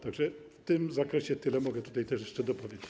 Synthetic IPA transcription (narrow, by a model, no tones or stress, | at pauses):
t̪aɡʐɛft̪ɪmzakɾɛɕɛt̪ɘlɛmɔɡɛt̪u̥t̪ajt̪ɛʂjɛʂt͡ʂɛd̪ɔpɔvʲjed͡ʑe